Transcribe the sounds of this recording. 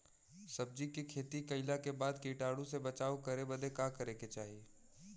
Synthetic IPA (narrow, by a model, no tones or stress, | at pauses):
sɐb̚d͡ʒikikʰeːt̪ikɐɪlakebaːd̪kiːʈaːɽũsebɐt͡ʃaːokɐɾebəd̪ekakɐɾeket͡ʃaːɦie